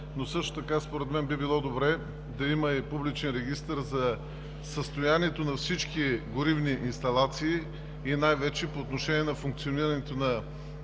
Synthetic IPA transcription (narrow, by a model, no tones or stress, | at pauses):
nosɤʃt̪o̥t̪ɐkaspoɾɛt̪mɛnbibilˠɔd̪obɾɛ | d̪ɐimɐipublit͡ʃɛnɾɛɡ̟ist̪əɾzɐ | səst̪ojaniɛt̪onɐfsit͡ʃkiɡʊɾivniʔinst̪ɐlˠat̪siː | inajvɛt͡ʃɛpoːt̪noʃɛniɛnɐfuŋk̚t̪sioniɾɐnɛt̪onɐ